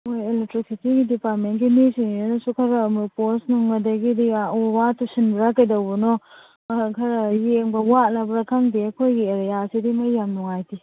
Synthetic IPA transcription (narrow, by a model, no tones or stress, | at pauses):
mojelek̚tɾiksitiɡidipaɾtmenɡinisiŋinɔsukʰaɾamuposnuŋɐdɐɡidiaowatːusinbɾakɐjdawbunɔ | kʰɐɾajeŋbɐwatlabɾakʰaŋdiɐkʰojɡieɾejasidimɐjːamnuŋajti